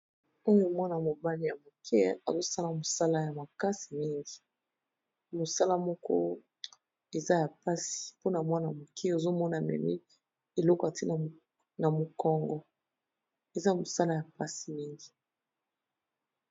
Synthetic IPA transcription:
o˦jo˦mwa˦na˨mo˨ba˦li˨ja˨mo˨kʰɛ˦a̰˨zo˦sa˦la˨mo˨sa˦la˦ja˨ma˨ka˦si˨mi˦ŋɡi˨ | mo˨sa˦la˦mɔ˦kɔ̰˦ | e˨za˦ja˨pa˦si̥˨po˦na˨mwa˦na˨mo˨kʰɛ˦o˨zo˦mɔ˦na˨mɛ̰˨mḭ˦ | e˨lɔ˦kɔ˨a˨ti˦na˨ | na˨mo˨kɔ˦ŋɡɔ˦ | e˨za˦mo˨sa˦la˦ja˨pa˦si˨mi˦ŋɡi˨

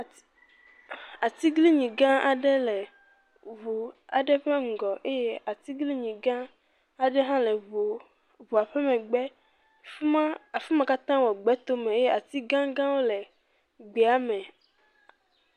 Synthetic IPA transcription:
a˨t̪i˦ɡli˦ɲĩ˨ɡã˦a˨ɖɛ˦lɛ˨ | vu˨a˨ɖɛ˦ɸe˦ŋ̩˨ɡɔ˨ʔe˦je˦a˨t̪i˦ɡli˦ɲĩ˨ɡã˦ | a˨ɖɛ˦ɦã˦lɛ˨o˨ | vu˨a˨ɸɛ˦mɛ̃˨ɡ͡bɛ˦ | a˨fi˦mã˨ka˦t̪ã˦wɔ˨ɡ͡bɛ˨˦t̪o˦mẽ˨e˦je˦a˨t̪i˦ɡã˦ɡã˦wo˦lɛ˨ | ɡ͡be˨a˦mɛ̃˨

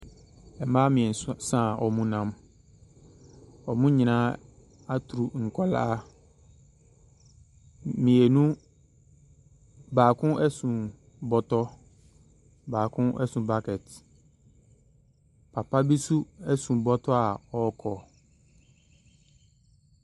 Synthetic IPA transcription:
ɛ˨mãː˦mɪ̃˨ɛ˨n˨ssã˦˨ʔɔ˨mũ˦nã˦m | ɔ˨mũ˦ɲĩ˨nã˦ | a˦tʰɾu˨ŋ̩˨kʷʰa˦la̰˦ | mĩ˨ɛ˨nũ˦ | baː˨kʰʊ̃˦ʔɛ˦sũ˨ | bɔ˨tɔ˦ | baː˨kʰʊ̃˦ʔɛ̰˦sũ˨ba˦kɛ˨t | pʰa˨pa˦bi˦su˦ɛ˦sũ˨bɔ˦tʰɔ˦a˨ɔ˦kʰɔ˨

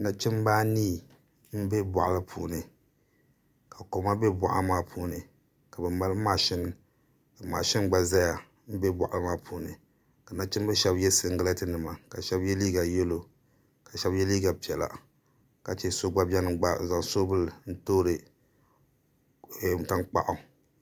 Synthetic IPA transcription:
na˦t͡ʃɪ˦m˦baː˦niː˦˨ | m̩˦be˦ba̰˨ʔa˨lɨ˦pʰuː˨nɨ˨ | ka˨ko˨ma˦bɛ˦ba̰˨ʔa̰˦maː˦pʰuː˦nɨ˨ | ka˨bɛ˨ma˦lma˨ʃɪ˦n˨ | ka˨maː˨ʃɪ˦nɡ͡ba˨za˦ja˨ | m̩˦be˦ba˨ʔa˦lmaː˦pʰuː˨˦nɨ˨ | ka˨na˦t͡ʃɪ˦m˦bɛ˦ʃɛ˦bjɛ˦sɨ˨ŋ̩˦ɡɨ˦la˦tɨ˦nɨ˨ma˨ka˨ʃɛ˦bjɛ˦liː˦ɡa˨jɛ˦lo˨ | ka˨ʃɛ˦bjɛ˦liː˦ɡa˨pi˨ɛ˨la̰˨ | ka˨t͡ʃɛ˦so˦ɡ͡ba˦bɛ˦n˨˦ɡ͡ba˦˨za˨ŋso˦bɨ˦ln̩˦toː˦ɾɨ˨ | ta˦nk͡pa̰˨ʔa˨

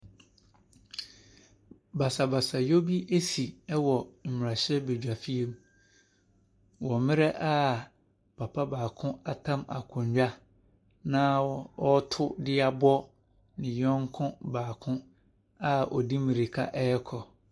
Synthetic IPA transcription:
ba˨sa˨ba˨sa˨jo˦bi˦ʔe˦si˨ɛ˦wɔ˨m̩˨mɪ˨ɾa˨ɕɛ˦be˨d͡ʑᶣa˨fi˦e˦m | wɔ˨mɪ̃˦ɾɛ˦ʔa˦ | pʰa˨pʰa˦baː˨kʰʊ̃˦a˦tʰã˦ma̰˨kʰʊ̃˨ɲɥᶣa˦ | nã˦ɔ˦tʰʊ˦dɪ˦a˨bɔ˦ | nɪ̃˨jɔ̃˦ŋ˦kʰʊ̃˦baː˨kʰʊ̃˦ | a˦ɔ˨di˦mɪ̃˨ɾi˨kʰa̰˦ʔɛ˦ɛ˦kʰɔ˨

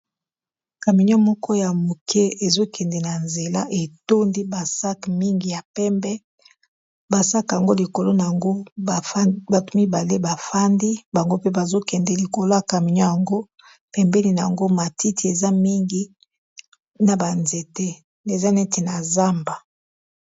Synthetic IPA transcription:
ka˨mi˨ɲɔ˦mɔ˦kʰɔ˦ja˨mu˨kʰɛ˦e˨zo˦kɛ˨ndɛ˨na˨nze˨la˦ʔe˨to˦ndi˦ba˨sa˦kmi˦ŋɡi˨ja˨pɛ˦mbɛ˦ | ba˨sa˦ka˨ŋɡo˦li˨ko˨lo˦na˨ŋɡo˦˨˦ | ba˨tu˦mi˦ba˨le˦ba˨fa˦ndi˦ba˨ŋɡo˦pe˦ba˨zo˦kɛ˨ndɛ˨li˨ko˨lo˦ja˨ka˨mi˨ɲɔ˦ja˨ŋɡo˦ | pɛ˨mbɛ˦li˨na˨a˨ŋɡo˦ma˨ti˦ti˨e˨za˦mi˦ŋɡi˦ | na˨ba˨nze˨te˦ | ne˨za˦ne˦te˨na˨za˦mba˨

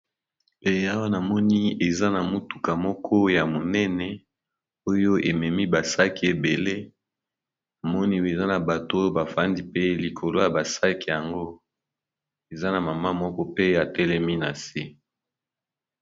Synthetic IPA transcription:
e˨a˦wa˦na˨mɔ˦ni˦e˨za˦na˨mu˦tu˨ka˨mɔ˦kʰɔ˦ja˨mo˨nɛ˦nɛ˨ | o˦jo˦e˨mɛ˨mi˦ba˨sa˦ki˨e˨be˨le˦ | a˨mɔ˦ni˦e˨za˦na˨ba˨to˦jo˦ba˨fa˦ndi˦pe˦li˨kʰo˨lo˦ja˨ba˨sa˦ki˨ja˨ŋɡo˦ | e˨za˦na˨ma˨ma˦mɔ˦kɔ˦pe˦a˨tɛ˦lɛ˦mi˦na˨se˦

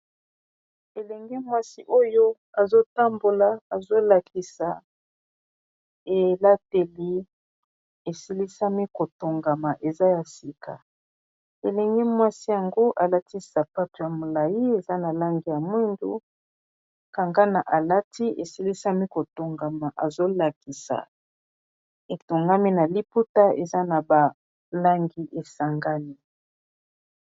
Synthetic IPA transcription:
e˨lɛ˨ŋɡɛ˦mwa˦si˦ʔo˦jo˦ | a˨zo˦ta˦mbo˨la˨a˨zo˦la˨ki˨sa˨ | e˨la˦te˨li˦ | e˨si˦li˦sa˦mi˦ko˨to˨ŋɡa˨ma˨ʔe˨za˦ja˨si˨kʰa̰˨ | e˨lɛ˨ŋɡɛ˦mwa˦si˦ja˨ŋɡo˦ʔa˨la˦ti˦sa˨pa˦to˨ja˨mo˨la˨ji˦e˨za˦na˨la˦ŋɡi˨ja˨mwi˦ndṵ˦ | ka˨ŋɡa˦na˨ʔa˨la˦ti˦ʔḛ˨si˦li˦sa˦mi˦ko˨to˨ŋɡa˨ma˨ʔa˨zo˦la˨ki˨sa̰˨ | e˨to˨ŋɡa˦mi˦na˨li˦pu˦ta˦e˨za˦na˨ba˨ | la˦ŋɡi˦ʔe˨sa˨ŋɡa˦ni˦

